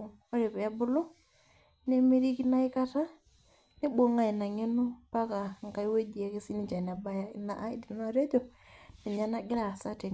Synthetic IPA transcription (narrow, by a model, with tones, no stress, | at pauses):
o˦ɾe˨pɛ˨ja˦bʊ˦lo˦ | ne˦me˦ɾi˦ki˦na˦ɪ˦ka˦ta˦ | nɪ˦bo˦ŋa˦˨i˨na˨ŋe˦no˦pa˦ka˨ŋ˨ka˨i˦we˦d͡ʒi˨ɛ˨ke˦si˦ni˨t͡ʃa˨n˨a˨ba˦ja˦ɪ˨na̰˨ʔa˦i˦di˨n˦a˦˨ɾe˦d͡ʒo˦nɪ˨ɲa˦na˦ɡɪ˦ɾa˨sa˦te˨